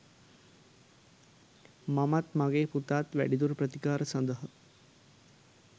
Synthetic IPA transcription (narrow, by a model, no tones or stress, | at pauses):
mamat̪maɡeːput̪aːt̪ʋæ̰ɽid̪uɾpɾət̪ikaːɾəsənd̪əɦə